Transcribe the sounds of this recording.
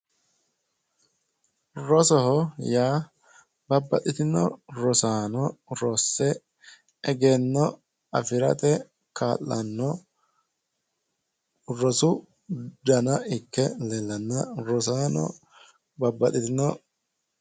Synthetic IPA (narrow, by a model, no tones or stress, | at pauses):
ɾɔsɔhɔjaː | bɐbːɐt̪ʼɪt̪ɪnːɔ̰ɾɔsaːnɔɾɔsːɛ | ɛɡenːɔ | ɐfɪɾɐt̪ɛ | kʰaːlːɐnːɔ | ɾɔsʊ | d̪ɐnɐɪkːɛlɛlːɐnːɐɾɔsaːnɔ̰ | bɐbːɐt̪ɪt̪ɪnːɔ